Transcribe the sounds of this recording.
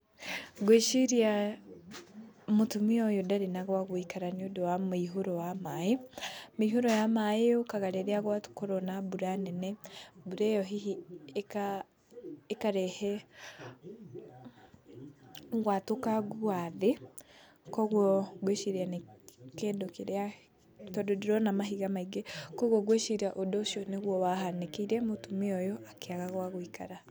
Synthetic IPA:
ɣweʃiɾia | motumiɔjodaɾenaɣwaɣoikaɾaniodowamiɦoɾowamaemeiɦoɾɔjamaeokaɣaɾeɾeaɣwato̥koɾɔnabuɾanɛnɛbuɾɛjɔɦiika | ekaɾɛhɛ | ɣwatokaɣuaðe | kɔɣwɔɣweʃiɾeanekeːndokeɾea | tɔdodiɾɔnamaɦiɣamaiɡekɔɣwɔɣweʃiɾiaʔodoʃɔneɣwɔwaɦanekeiɾɛmotumeɔjɔʔakeaɣaɣwaɣoika̰ɾa

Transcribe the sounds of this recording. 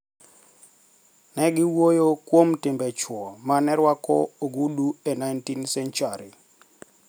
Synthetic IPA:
nɛɡɪwojokwomtɪmbɛt͡ʃwɔmanɛɾwakɔoɡuduenajntinsɛnt͡ʃaɾi

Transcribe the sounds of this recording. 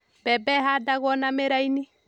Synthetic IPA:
bɛbɛɦadaɣɔnameɾaini

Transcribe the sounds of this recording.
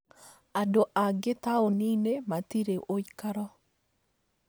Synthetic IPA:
adoʔaɡet̪aoninemat̪iɾeʔojkaɾɔ

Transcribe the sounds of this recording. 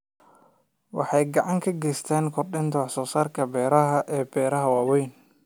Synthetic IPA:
wɑ̰ħɑjɡɑʕɑŋkʰɐɡɛjst̪ʰɛːŋkʰɔrdɪnt̪ʰɐwɑħsɔːsaːrkʰɐbɛːɾɐɦɐʔɛːbɛːɾɐɦɐwɑːwɛjn

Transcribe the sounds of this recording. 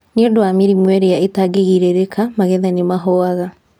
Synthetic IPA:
neodowamiɾimwɛɾejaetaɡeɣiɾeɾekʰamaɣɛðanemaɦɔaɣa

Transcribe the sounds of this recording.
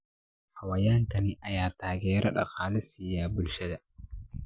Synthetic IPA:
hɐwɐjaːŋkɐnɪʔɐjaːt̪aːɡɛːɾʔɐ̰ɗɐ̰qaːlɛsijaːbʊlʃɛd̪ɐ

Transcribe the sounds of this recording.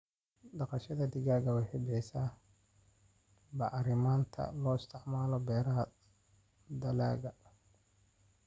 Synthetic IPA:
ɖɑqɑʃɐðɐd̪ɪɣaːɣɐwɑħeːbɪħɪsaː | bɑʔɑɾɪmaːnt̪ʰɐ̰lɔːɪst̪ʰɪʕmaːlɔbɛːɾɐɦɐ | d̪ɐla̰ːɣɐ

